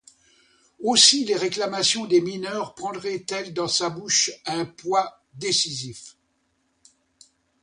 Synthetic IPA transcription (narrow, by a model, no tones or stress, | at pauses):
osileʁeklamasjɔ̃d̪eminœʁpχɑ̃d̪ʁɛt̪ɛld̪ɑ̃sabuʃɛ̃pwa | d̪esizif